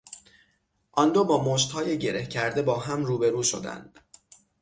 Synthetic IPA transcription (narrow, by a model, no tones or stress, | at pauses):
ʔɒnd̪oːbɒːmoʃt̪hɒːje̞ɟe̞ɾe̞hcʰæɾd̪e̞bɒːɦæmɾuːbe̞ɾuːʃo̞̰d̪æ̰nd̪̥